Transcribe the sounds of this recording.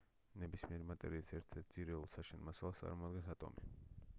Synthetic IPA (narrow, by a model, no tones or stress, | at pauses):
nɛbismiɛɾimat̪ʼɛ̰ɾiɛt͡ssʰɛɾt̪ʰɛt̪̚ziɾɛɔlˠsaʃɛnmasalˠasa̰ɾmɔd̪ɡansat̪ʼɔ̰mi